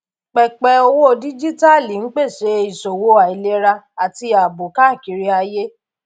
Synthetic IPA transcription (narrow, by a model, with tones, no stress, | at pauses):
k͡pɛ˨k͡pɛ˨o˧wo˦˨di˦d͡ʒi˦ta˦˨li˨n̩˦k͡pe˦˨ʃe˧˦i˨so˨wo˧˦a˨i˨le˧˦ɾa˧ | a˨ti˧a˨bo˨ka˦˨ki˨˦ɾi˦a˧je˦